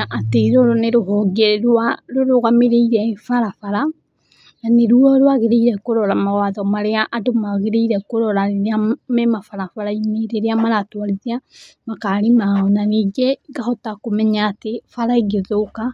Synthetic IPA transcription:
ʔateiɾoɾoneɾoɦɔɡeɾwaɾoɾoɣameɾeiɾɛfaɾafaɾa | naneɾuɔɾwaɣeɾeiɾɛkoɾɔɾamaɣwaðɔmaɾeaʔadomaɣeɾeiɾɛkoɾɔɾaɾeɾeamɛmafaɾafaɾaineɾeɾeamaɾatwaɾiziamakaːɾemaɔnaniːɡeɡahɔtakomɛɲaːtefaɾaeɡeðoka

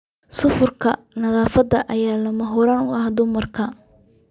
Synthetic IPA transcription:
sʊfʊrkʰɐ | nɐðaːfɐd̪ɐʔɐjaːlɐmɐɦʊɾaːnʊɐhd̪ʊmɐrkʰɐ

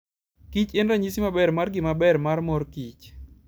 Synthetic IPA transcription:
kit͡ʃenɾaɲisimabɛɾmarɡɪmabɛrmarmɔɾkit͡ʃ

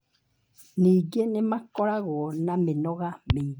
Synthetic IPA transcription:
nĩɡenẽmãkɔɾaɣɔnãmẽnɔ̃ɣame

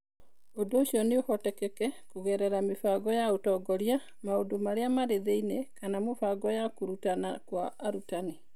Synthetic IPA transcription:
odoːɕiɔneohɔtɛkɛkɛkuɣɛɾɛɾamefaɡɔjaotɔɡɔɾja | maodomaɾeamaɾeðeinɛkanamofaɡɔjakuɾutanakwaːɾutane

